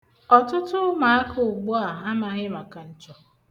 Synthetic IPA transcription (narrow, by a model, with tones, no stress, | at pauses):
ɔ˨tʊ˦tʊ˦ma˨a˦kʰʊ˨ʊ˨ɡ͡bu˦a˨a˦ma˨a˨ɲɪ˦ma˨ka˨n̩˨t͡ʃɔ˨